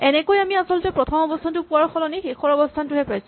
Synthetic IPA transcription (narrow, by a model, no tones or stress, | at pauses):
ɛnɛkojamiasɔlɔtɛpɹɔtʰɔmɔbɔstʰantʊpʊaɹkʰɔlɔnexexɔɹɔbɔstʰantʊɦɛpɹajsu